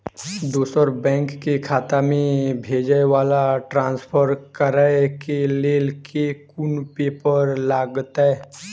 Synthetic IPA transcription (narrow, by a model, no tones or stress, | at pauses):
d̪uːsəɾbɛ̃ːŋkːekʰaːt̪amẽbʱeːd͡ʒəewaːlaʈɾãːnspʰəɾkəɾəkeleːlkekunpeːpəɾlaːɡət̪ɦɛː